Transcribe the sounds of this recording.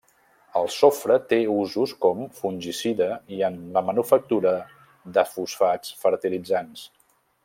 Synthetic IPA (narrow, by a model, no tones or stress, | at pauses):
əlˠsofɾət̪euzuskɔmfunʲʒisiðəiənləmənufək̚t̪uɾə | ðəfusfat͡sfəɾt̪ilid͡zans